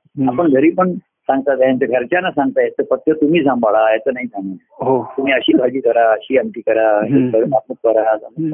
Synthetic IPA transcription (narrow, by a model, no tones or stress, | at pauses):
apəɳɡʱəɾiːpəɳ | sãŋɡt̪at̪jaɲt͡ɕaɡʱəɾt͡ɕjanasãŋɡ̚t̪ajɛt͡s̪əfək̚t̪jət̪um̤iːsãmbaɭaɛt͡sənaɦisʰãma | ɦot̪um̤iːəɕiːɡʱəɡiːkəɾaəɕiːənʈ̪iːkəɾaəɕiəɾat̪mət̪̚kəɾazam